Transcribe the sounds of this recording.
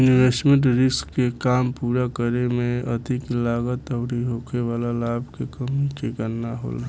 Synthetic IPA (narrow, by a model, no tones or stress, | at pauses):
ʊniʋeːsʈmẽɳʈɾɪskːekaːmpuːɾakəɾemẽəd̪ʱɪklaːɡət̪əʊɽiɦoːkʰeʋaːlalaːbʱkekəmikekəɾnaɦo̰ːla